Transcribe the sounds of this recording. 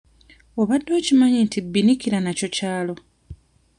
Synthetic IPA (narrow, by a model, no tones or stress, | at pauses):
o̞βadːo̞ːcimaɲintibːinikiɾanaco̞caːlo̞